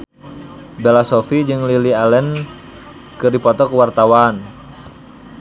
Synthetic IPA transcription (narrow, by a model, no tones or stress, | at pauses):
bɛlasɔfid͡ʒɨŋlilialɛn | kɨrdipɔt̪ɔkəwart̪awan